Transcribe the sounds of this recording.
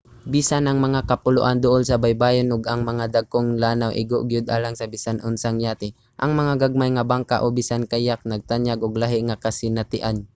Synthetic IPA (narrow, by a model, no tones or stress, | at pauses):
bisanʔɐŋmɐŋakɐpʊlʊʔand̪ʊʔolsɐbajbaːjonʔʊɡɐŋmɐŋad̪aɡ̚koŋlaːnawʔɪ̰ɡoʔɡjʊd̪̚ʔa̰ːlaŋsɐbɪsanʔʊnsaŋjaːt̪ɪ | ʔɐŋmɐŋaɡaɡ̚majŋɐbaŋkaʔobɪsankajak̚nɐɡ̚t̪aɲjaɡʔʊɡlaɦɪŋakɐsɪnat̪ɪʔan